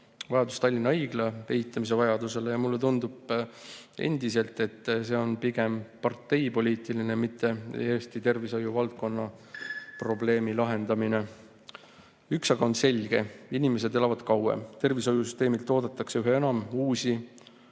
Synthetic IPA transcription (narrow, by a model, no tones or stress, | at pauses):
vɑjɑd̪̥ust̪ɑlʲːinːɑɯjɡ̥leeɦit̪ːˑɑmise̞vɑjɑd̪use̞lejɑmulːe̞t̪und̪̥ub̥ | e̞̰nd̪̥ise̞lt̪ːˑe̞t̪ːse̞ːo̞npiɡ̥e̞mpɑrt̪ːˑe̞jpo̞lʲiːt̪ˑilinemit̪ːe̞ḛjeːst̪it̪e̞rviso̞juvɑlt̪̚ko̞nːɑ | pro̞ble̞ːmilɑɦe̞nd̪̥ɑmine̞ | yksɑɡ̥ɑo̞nse̞lʲɡ̥e̞inime̞s̬e̞d̪e̞lɑvɑd̪̥kɑwḛmt̪e̞rviso̞jusyst̪eːmilt̪ːo̞ːd̪̥et̪ːˑɑkse̞yɦe̞e̞nɑmuːsi